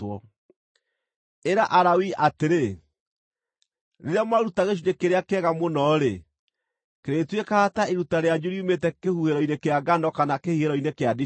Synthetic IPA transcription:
ɔ | eɾaʔaɾawiʔateɾe | ɾeɾjamaɾutaɣeʃ̬udekeɾeakɛːɣamonɔːɾe | keɾetwekaːtaeɾutaɾead͡ʒuɾiumetɛkehuheɾɔinekeaɡanɔkanakehiheɾɔinekeadi

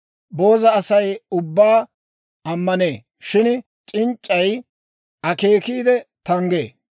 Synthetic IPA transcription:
bo̞ːzɐːsɐjʊbːaː | ɐmːɐneː | ʃɪn | t͡ʃʼɪnt͡ʃʼːɐj | ʔɐke̞ːkiːd̪ɛt̪ɐŋɡḛː

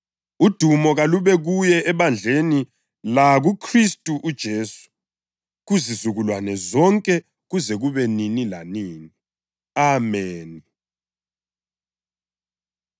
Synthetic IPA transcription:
ud̥ʱumɔɣaluβɛɣujɛʔːβand͡ɮʱeni | laɣukʰristʼuʔud̥ʒ̥ʱeːsu̥ | ɣuzizuɣulwanɛzɔŋkʼɛ | ɣuzɛɣuβɛninilaniːni | amɛːni

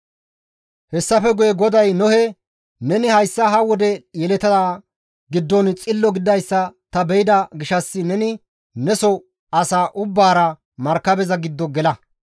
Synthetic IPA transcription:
hɛsːɐfɛɡʊjɛɡɔd̪ɐjnɔhɛ | nɛnɪhɐjsːɐɦɐwɔd̪ɛjɛlɛt̪ɐd̪a | ɡɪd̪ːɔnt͡sʼɪlːɔɡɪd̪ɐjsːɐt̪ɐbɛjɪd̪ɐɡɪʃɐsːɪnɛnɪ | nɛsɔ | ɐsaːʔʊbːaːɾɐ | mɐɾkːɐbɛzɐɡɪd̪ːɔɡɛlɐ

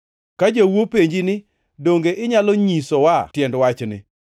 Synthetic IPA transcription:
kad͡ʒowopeɲd͡ʒinɪ | doŋɡeʔɪɲaloɲisɔwatjɛndwat͡ʃnɪ̰

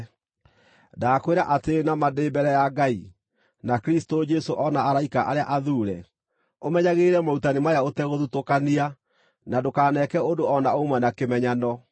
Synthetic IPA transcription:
dakweɾaʔatenamadeːbɛɾɛjaɡai | nakɾistod͡ʒɛsoʔɔnaːɾaikaʔaɾeaʔaðuːɾɛ | omɛɲaɣeɾɛmautanemajaotɛɣoðutokania | nadokaːnɛkɛondoɔnaomwanakemɛɲanɔ

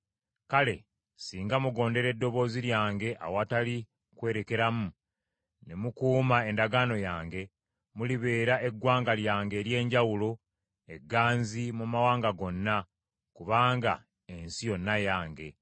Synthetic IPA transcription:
kale̞ | siːŋɡamuɡo̞ːnde̞ɾe̞dːo̞βo̞ːziɾjaːŋɡe̞ʔa̰watali | kwe̞ːɾe̞ke̞ɾamu | ne̞mukuːmae̞ndaɡaːno̞jaːŋɡe̞ | muliβe̞ːɾaʔe̞ɡwaːŋɡaljaːŋɡe̞ːɾje̞ːɲɟawulo̞ | e̞ɡːaːnzimumawaːŋɡaɡo̞nːa | kuβaːŋɡa̰ | ensijonːajaːŋɡe̞̰

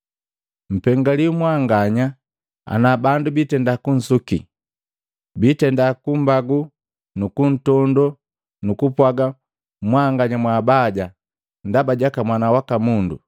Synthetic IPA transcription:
m̩pɛŋɡaliumwaŋɡaɲa | a̰nabandubitɛndakun̩suki | bitɛndakumbaɡu | nukun̩tɔndɔ | nukupwaɡa | mwaŋɡaɲamwabaɟa | ndabaɟakamwanawakamundṵ

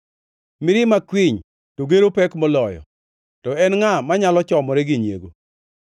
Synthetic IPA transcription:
mɪɾɪmakwiɲ | toɡeɾopɛkmɔlɔjɔ̰ | tɔɛnŋamaɲalɔt͡ʃɔmɔɾɛɡɪɲjḛɡo̰

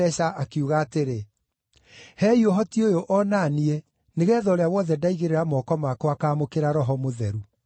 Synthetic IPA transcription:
ɛɕaʔakuɣaːteɾe | hɛioɦɔtiojoʔɔnanie | neɣɛːðɔɾeawɔðɛdaiɣeɾeɾamɔkɔmakɔakaːmokeɾaɾɔɦɔmoðɛɾu

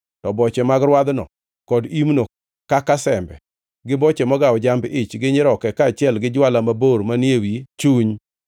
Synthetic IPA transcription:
tɔbɔt͡ʃɛmaɡɾwad̪nɔ | kɔdimno | kakasɛmbɛ | ɡɪbɔt͡ʃɛmɔɡawɔd͡ʒambɪt͡ʃɡɪɲɪɾɔkɛkaːt͡ʃɪɛlɡɪd͡ʒwalamaboɾmanjewit͡ʃuɲ

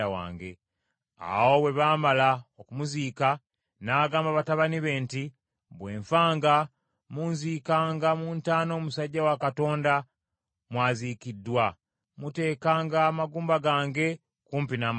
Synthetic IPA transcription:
awa̰ːŋɡḛ | a̰wo̞we̞βaːmalaokumuziːka | naːɡaːmbaβataβaniβe̞ːnti | βwe̞ːɱfaːŋɡa | muːnzikaːŋɡamuːntaːno̞ːmusaɟːawakato̞ːnda | mwaːzikidːwa | mute̞ːkaːŋɡaːmaɡuːmbaɡaːŋɡe̞ | kuːmpinam

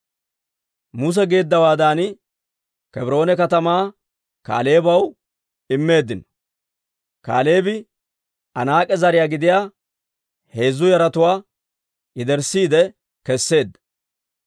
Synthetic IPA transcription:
mʊs̬ɛɡe̞ːd̪ːɐwaːd̪aːn | kɛbɪɾo̞ːnɛkɐt̪ɐmaː | ka̰ːle̞ːbɐw | ɪmːe̞ːd̪ːɪnɔ | ka̰ːle̞ːbɪ | ɐnaːkʼɛzɐɾɪjaːɡɪd̪ɪjaː | he̞ːzːʊjɐɾɐt̪ʊwaː | ʔɪd̪ɛɾsiːd̪ɛ | kɛsːe̞ːd̪ːɐ

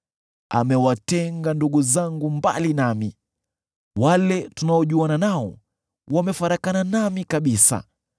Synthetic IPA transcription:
a̰mɛwatɛŋɡanduɡuzaŋɡumba̰linami | walɛtunaɔʄuananaɔ̰ | wamɛfaɾakananamikaɓisa̰

